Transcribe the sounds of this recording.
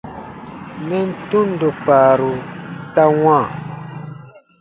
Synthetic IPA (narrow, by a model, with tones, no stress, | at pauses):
nɛ˦n̩˦tũ˦n˦do˨k͡paː˨ɾu˨ta˦wã˦˨